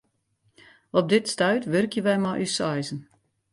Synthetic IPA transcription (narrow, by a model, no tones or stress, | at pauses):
ɔp̚dɪtstœɥtʋɵrkjəʋɛjmaʔysɑjzən